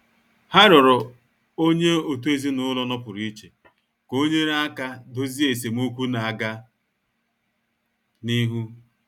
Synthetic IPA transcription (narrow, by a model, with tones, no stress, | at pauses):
ha˦ɾʊ˨ɾʊ˨ | o˦ɲe˦o˨tu˦e˦zi˦nʊ˦lɔ˦nɔ˦pʊ˨ɾi˦t͡ʃe˨ | ko˦ɲe˦ɾa˦ka˦do˦zi˦e˨s̬e˨mu˦kʷu˦na˨a˨ɡa˦ | ni˦ɦu˦